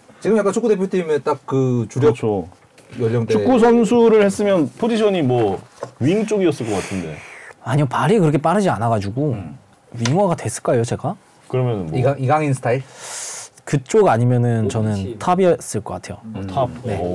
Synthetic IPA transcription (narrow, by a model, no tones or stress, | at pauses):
t͡ɕiɡɯmjak͈ant͡ɕʰuk͈ːude̞pʰjotʰimet͈ak̚kːɯt͡ɕujʌt͡ɕʰo | jʌʎːʌŋdeuk͈usʰʌns̬ʰuɾɯɭhe̞s͈ɯmjʌnpʰod͡ʑiɕʰʌɲimwʌɥiŋt͡ɕ͈oɡiʌs͈ɯɭk͈ʌk͈atʰɯnde̞̰aɲiɡopaɾikɯɾʌkʰep͈aɾɯd͡ʑianaɡad͡ʑuɡo | ɥiŋwaɡadwe̞s͈ɯɭk͈ajot͡ɕe̞ɡa | kɯɾʌmjʌnɯnmiɡaŋiɡaŋinsʰɯ̥tʰaiɭ | kɯt͡ɕ͈oɡaɲimjʌnɯnt͡ɕʌnɯntʰabiʌs͈ɯɭk͈ʌk͈atʰe̞jotʰap̚ne̞